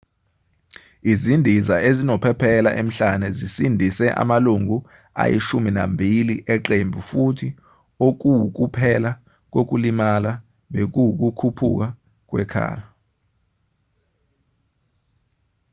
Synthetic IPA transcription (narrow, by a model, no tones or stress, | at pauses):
izindʱizaʔezinɔpʰɛpʰɛla̰ʔem̩ɬanɛzisindʱisɛʔa̰maluŋʱu | a̰jḭʃumina̰mbʱiliʔɛǃembʱufutʰi | ok̬uwk̬upʰɛla | k̬ʼok̬ʼulimala | ɓek̬uwuk̬ʼukʰupʰṵk̬a | k̬ʼwɛ̰kʰa̰ːla